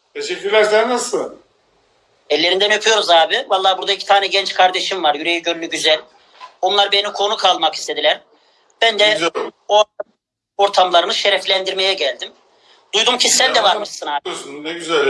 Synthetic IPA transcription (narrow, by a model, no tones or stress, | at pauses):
t̪ʰeʃɛcʲːyɾlʲæɾsæɾnasɯ | ɛlʲːe̞ɾind̪ænøpʰyjo̞ɾuzaːbɪvalˠːaːbuɾd̪aicʰi̥t̪ʰaːnɛɟɛnt͡ʃkʰaɾd̪e̞ʃimvaɾjyɾe̞jiɟøɾynyɟyzælʲ | o̞nlˠaɾbenimkʰo̞nukʰalˠmaki̥st̪ʰe̞d̪ilʲæɾ | b̥ænd̪ɛo | o̞ɾt̪ʰamlˠaɾɯnɯʃe̞ɾɛflʲænd̪iɾme̞jɛɟælʲd̪im | d̪̥ujd̪umcʰisːænd̪ɛvaɾmɯʃsɯnaːsunɛɟyzɛlʲ